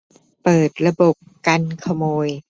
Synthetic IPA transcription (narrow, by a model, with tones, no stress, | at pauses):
pɤː˨˩t̪̚ɾa˧bo˨˩p̚ka˧nkʰa˧moː˧j